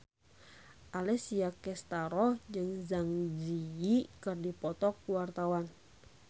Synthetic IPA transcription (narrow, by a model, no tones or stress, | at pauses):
ʔalɛsiakɛst̪aɾɔhd͡ʒɨŋzaŋd͡ʒiikərdipɔt̪ɔkuwart̪awan